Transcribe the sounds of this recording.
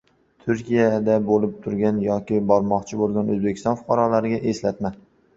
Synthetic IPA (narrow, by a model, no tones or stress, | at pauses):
t̪ʰʊɾkʲijad̪abolɪp̚t̪ʰʊɾɡʲanjɒkʲɪbɒɾmɒqt͡ʃʰɪbolˠɡʲanɵzbekʲʰɪst̪ɒnfʊ̥qʰɑɾɒlaɾɪɡʲaʔe̞slat̪ma